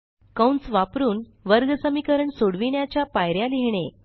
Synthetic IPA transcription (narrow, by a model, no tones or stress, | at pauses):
kəwnt͡sʋapɾuːn | ʋəɾɡəsəmikəɾəɳsoɽʋiɳjat͡ɕjapajɾjaliɦɳ̃e